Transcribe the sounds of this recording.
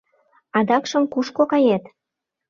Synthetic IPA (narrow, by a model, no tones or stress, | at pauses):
ɑd̪ɑkʃə̆mkuʃkokɑjet̪